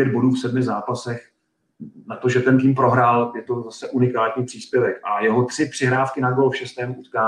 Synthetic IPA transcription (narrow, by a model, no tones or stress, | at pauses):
ɛd̪̚bo̞duːfsɛdmɪzaːpasɛx | nat̪o̞ʒɛt̪ɛnt̪iːmpɾo̞ɦɾaːljɛt̪o̞zasɛʔunɪkaːt̪ɲiːpr̥iːspjɛvɛkʔajɛɦo̞t̪r̝̥ɪpr̥ɪɦɾaːfkɪnaɡolfʃɛst̪ɛːmuut̪kaː